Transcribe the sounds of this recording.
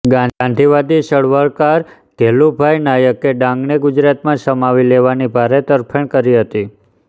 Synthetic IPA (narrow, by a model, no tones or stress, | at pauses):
ɡãnãnd̪ʱiʋad̪iʃəɭʋəɭkaɾ | ɡ̪̥ʱelubʱajnajəkːeɖãŋɡneɡʊd͡ʒɾat̪mãʃəmaʋileʋanibʱaɾet̪əɾpʰəɳ̃kəɾiɦət̪i